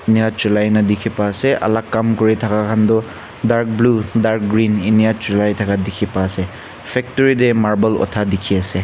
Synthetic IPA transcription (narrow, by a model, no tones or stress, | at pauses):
injatilajnɐdikʰipaːseʔɐ̰lakːamkɔɾitʰakakʰandɔ | daɾk̚bludaɾk̚ɡɾininijatɾilajtʰakadikʰipase | pʰek̚tɔɾidemaɾbɐlɔ̰tʰadikʰiɐse